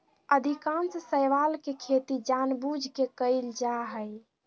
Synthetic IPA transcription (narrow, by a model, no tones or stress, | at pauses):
əd̪ʱikãnssəjʋalkekʰet̪id͡ʒanbud͡ʒʱkekəɪld͡ʒaɦəj